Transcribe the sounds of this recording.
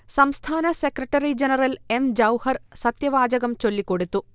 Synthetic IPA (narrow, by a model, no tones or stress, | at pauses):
sɐmst̪ʰaːnɐsekɾɐʈːɐɾid͡ʑenɐɾɐlemd͡ʑɐwhɐrsɐt̪jɐʋaːd͡ʑɐɡɐmt͡ɕo̞lːikːoɽut̪ːu